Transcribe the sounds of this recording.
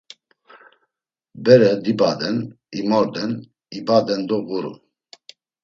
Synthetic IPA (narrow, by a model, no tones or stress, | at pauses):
bɛɾɛd̪ibad̪ɛn | imɔɾd̪ɛn | ibad̪ɛnd̪ɔɣuɾṵ